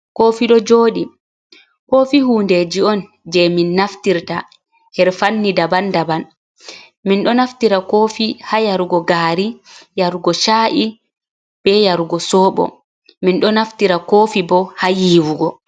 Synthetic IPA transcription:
koːfiɗɔd͡ʒoːɗi | koːfihuːnded͡ʒiɔn | d͡ʒɛminːaftiɾta | hɛɾfanːidabandaban | minɗɔnaftiɾakoːfihajaɾuɡɔɡaːɾijaɾɡɔʃaːʔi | b̥ɛjaɾɡɔsɔːɓɔ̰ | minɗɔnaftiɾakoːfibɔhajiːwuɡɔ

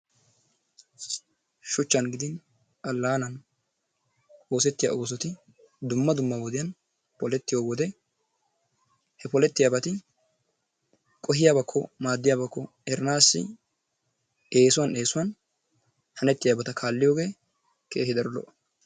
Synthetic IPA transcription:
ʃʊt͡ʃːɐnɡɪd̪ɪn | ʔɐlːaːnɐn | o̞ːsɛt̪ːɪja̰ʔo̞ːs̬ɔt̪ɪ | d̪ʊmːɐd̪ʊmːɐwɔd̪ɪjɐn | pɔlɛt̪ːɪjoːwɔd̪ɛ | hɛpɔlɛt̪ːɪjabɐt̪ɪ | kʼɔɦɪjaːbɐkʰːɔmaːd̪ːɪjaːbɐkːɔ | ɛɾɪnaːsːɪ̰ | e̞ːsʊwɐneːsʊwɐn | hɐnɛt̪ːɪjaːbɐt̪ɐkʰaːlːɪjo̞ːɡe̞ː | kʰeːhɪd̪ɐɾlɔ̰ʔ

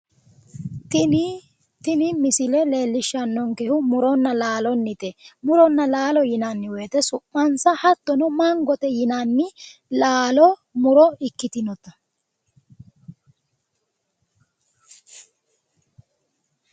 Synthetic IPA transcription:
t̪ɪnɪmɪsɪlɛle̞ːlːɪʃːɐnːɔŋkɛhʊmʊɾɔnːɐlaːlɔnːɪt̪ɛmʊɾɔnːɐlaːlɔjɪnanːɪweːt̪ɛsʊʔːɐnsɐhɐt̪ːɔnɔmɐŋɡɔt̪ɛjɪnanːɪlaːlɔmʊɾɔɪkːɪt̪ɪnɔt̪ɐ

